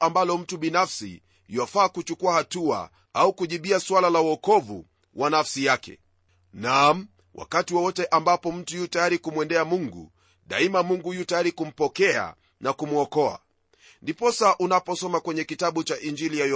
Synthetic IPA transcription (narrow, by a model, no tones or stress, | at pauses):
ambalɔm̩tuɓinafsḭ | iwafaːkut͡ʃukuahatua̰ | aukuʄiɓiaswalalauɔkɔvṵ | wʔanafsijakɛ̰ | nam̩ | wʔa̰katiwɔwɔtɛʔambapɔm̩tujutajaɾikumwɛndɛamuŋɡṵ | ɗaimamuŋɡujutajaɾikum̩pɔkɛa̰ | nakumuɔkɔa̰ | ndipɔsaʔunapɔsɔmakwɛɲɛkitaɓut͡ʃaʔind͡ʒilijaj